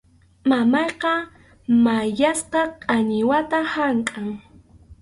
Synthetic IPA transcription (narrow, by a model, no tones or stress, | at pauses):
mamɑjqɑ | majasqɑqʼaɲɪwat̪ahaŋkʼaŋ